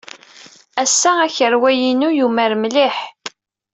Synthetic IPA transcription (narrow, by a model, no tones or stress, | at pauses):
æsːææçəɾwæjinujuməɾmliħ